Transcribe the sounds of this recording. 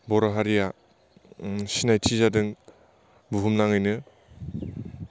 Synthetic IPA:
bɔɾaɦaɾija | sinajtʰizadɯŋ | buɦumnaŋɯjnɯ

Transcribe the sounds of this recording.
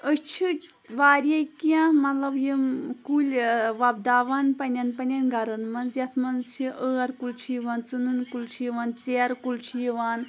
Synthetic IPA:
əst͡ʃʰi | ʋaːɾʲjɐjkiãmɐt̪lɐbjimkulʲʋab̚d̪aːʋaːnpɐnʲɐnpɐnʲɐnɡɐɾɐnmɐnzjɐt̪ʰmɐnt͡ʃʰiʔəːɾkult͡ʃʰijiʋaːnt͡sɨnɨnkulʲt͡ʃʰijiʋaːnt͡seːɾkult͡ʃʰijiʋaːn

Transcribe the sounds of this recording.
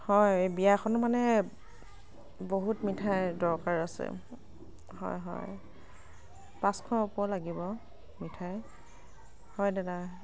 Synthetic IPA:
hɔjebijaxɔnɔmanɛ | boɦutmitʰajdɔɹkaɹasɛ̰ | hɔ̰jɦɔ̰j | pãskʰɔupɔlaɡibɔ | mitʰaj | hɔjdɛda

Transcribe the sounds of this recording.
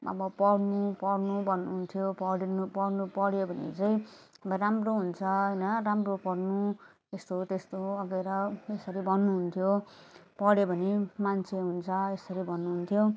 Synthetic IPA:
ʌ̰bʌpʌɽnupʌrnubʱʌnːuɦunt̪ʰjopʌɽinupʌɽnupʌɽjobʱʌnḭd͡zʌjʌbʌramroɦunt͡sʰʌɦʌjnʌramropʌrnu | est̪ot̪est̪oʌɡeɾʌesʌɾibʱʌnːuɦunt̪ʰjopʌɽjebʱʌnimant͡sʰeɦunt͡sʰʌesʌɾibʱʌnːuɦunt̪ʰjo

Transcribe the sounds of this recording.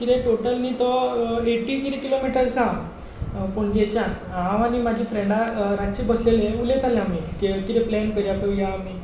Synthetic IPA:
kit̪ɛ̃ʈoʈəlnit̪ɔeʈːik̪iɾikilomiʈəɾsã | foɳd͡ʑet͡ɕã | ɦãʋañimad͡ʑʱiːfɾẽɳɖaɾat͡ɕibəslelẽulẽt̪aleamik̪ekit̪ɛplɛnkəɾiapə̃jaːmi

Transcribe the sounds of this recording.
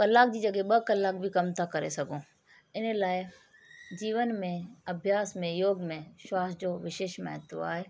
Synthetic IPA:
kəlːaːk̚d͡ʒid͡ʒəɡeɓəkəlːaːk̚bʱikɐmt̪akəɾḛsɐɡõ | ɪnelaːe | d͡ʒiːʋənmẽɐbʱjaːsmẽjoːɡmẽʃwaːsd͡ʒoːʋɪʃeːʃmɛ̰̃ːt̪oa̰ːɦeː

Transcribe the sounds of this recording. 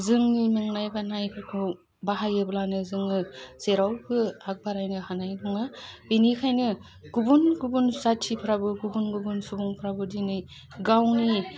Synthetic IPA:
zɯŋnimɯŋnajbanajpʰakʰɯ | baɦajɯblanɯzɯŋnɯseɾawbɯak̚baɾajnɯhanajnɔŋabenikʰajnɯ | ɡ̥ubunɡubunsatʰipʰɾabɯɡubunɡubunsubuŋpʰɾabɯdinɯj | ɡawni

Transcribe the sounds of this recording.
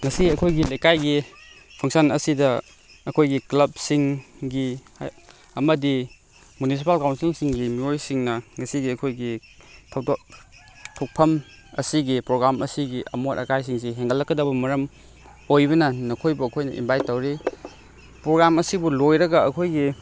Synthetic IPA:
ŋɐsiɐkʰojɡilejkajɡi | pʰɐŋsɐnɐ̰sidɐ | ɐkʰojɡiklɐb̚siŋɡi | ɐmɐdi | munis̬ipalkawnsiŋsiŋɡimiojsiŋnɐŋɐsiɡiɐkʰojɡi | tʰɐwdo | tʰok̚pʰɐm | ɐ̰siɡipɾoɡɾamɐsiɡiʔɐ̰motɐ̰kajs̬iŋs̬iɦeŋɡɐlːɐkːɐdɐbɐmɐɾɐm | ojbɐnɐnɐkʰojbuɐkʰojnɐʔḭmbʱajtːɐwɾi | pɾoɡɾamɐsibulojɾɐɡɐɐkʰojɡi

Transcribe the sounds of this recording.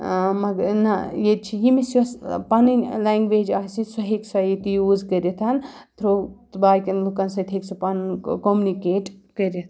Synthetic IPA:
mɐɡɐɾnɐjed̪̚t͡ʃʰijimesɐspaninlaŋɡʋed͡ʒaːsisɐɦiksɐjit̪ijuːzkəɾet̪ʰɐnt̪ʰɾot̪baːjkɐnlukɐnsɐt̪ʰeksɐpɐnkomunikeːʈkəɾet̪ʰ

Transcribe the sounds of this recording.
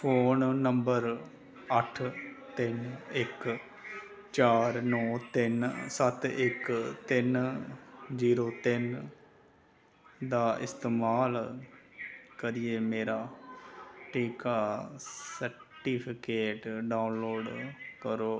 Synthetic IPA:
pʰoːnːəmbəɾ | əʈʰt̪ɪnɪk | t͡ʃaːɾnɔːt̪ɪnsət̪ɪkt̪ɪn | d͡ʒiːɾoːt̪ɪn | d̪aːɪst̪eːmaːl | kəɾieːmeːɾaː | ʈiːkaːsəɾ | ʈiːpʰɪkeːʈɖaːʊnloːɖkəɾoː

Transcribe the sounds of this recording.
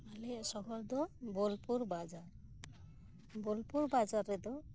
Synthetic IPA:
alɛsɔɡʱɔld̪ɔbɔlpuɾbad͡ʒaɾ | bɔlpuɾbad͡ʒaɾɛd̪ɔ

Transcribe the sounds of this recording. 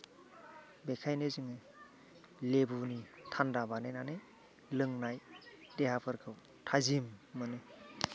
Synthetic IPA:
bekʰajneziŋe | lebunitʰandabanenane | lɯŋnajdeɦapʰɯɾkʰɯw | tʰazimːɯne

